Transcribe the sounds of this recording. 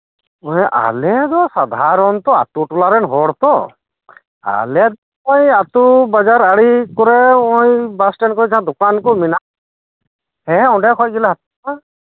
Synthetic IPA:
ɔjʔa̰lɛd̪ɔsad̪ʱaɾɔnt̪ɔa̰t̪uʈulaɾɛnɦɔɽt̪ɔ | a̰lɛd̪ɔ | ɔjat̪ubad͡ʒaɾaɽikɔɾɛɔjbasʈɛnkɔd͡ʒad̪ɔkankɔmina | hɛɔ̃ɖɛkʰɔcɡilaɦat̪̚ | a

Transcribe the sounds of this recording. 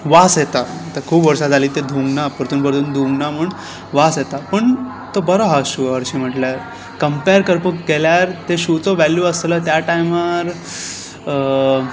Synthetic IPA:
ʋasjet̪at̪akʰuːpʋəɾsad͡zʱaliːt̪ed̪ʱũŋɡnapəɾt̪uːnbəɾd̪uːnd̪ʱũŋɡnam̤uɳ | ʋasjet̪apəɳ | t̪obəɾoɦaɕuɡəʋəɾɕiːm̤əʈljaɾ | kəmpeɾkəɾpukkːeljaɾt̪eɕut͡soʋæljuəslət̪jaʈaiməɾ

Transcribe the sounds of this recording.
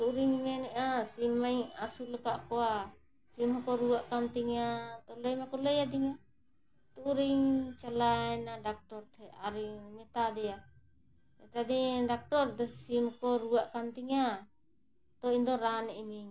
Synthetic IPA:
t̪uʔɾiŋmɛnɛʔasimajasuləkaʔkɔa | simkɔɾuwaʔkant̪iŋat̪ɔləjmakɔləjad̪iŋa | t̪uʔɾiɲt͡ʃalaɛnaɖak̚ʈɔɾt̪ʰɛaɾimɛt̪ad̪ɛja | ɛt̪ad̪iɖak̚ʈɔɾt̪ɛsimkɔɾuwaʔkant̪iŋa | t̪ɔind̪ɔɾanɛʔmiŋ

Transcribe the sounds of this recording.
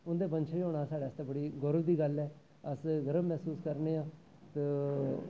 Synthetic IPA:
ʊnd̪eːbənt͡ʃʰːiːoːɽ̃aːsaːɽeːəst̪aːbəɽiːɡʊɾəʋd̪iːɡəlɛː | əsɡəɾəbmɛːsuːskəɾneːãː | t̪eː

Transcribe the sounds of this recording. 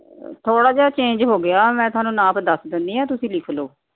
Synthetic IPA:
t̪ʰoːɽaːd͡ʒet͡ʃẽːɲd͡ʒɦoːɡɪjaːmɛ̃ːt̪ʊaːnũːnãːpd̪əsd̪ɪnd̪iːɦãːt̪ʊsĩːlɪkʰloː

